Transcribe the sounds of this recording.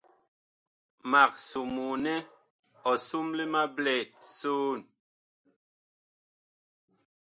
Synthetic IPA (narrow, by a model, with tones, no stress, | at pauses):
ma˨k̚su˨mu˨nɛ˦ | ɔ˨su˦mli˦ma˦blɛ˨t̚soː˦˨n